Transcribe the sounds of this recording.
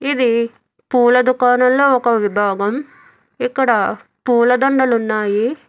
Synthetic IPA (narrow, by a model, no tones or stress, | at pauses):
id̪i | puːlɐd̪ukaːnɐmlo̞ːɔkɐʋibʱaːɡɐm | ikːɐɽɐ | puːlɐd̪oɳɖɐlunːaːji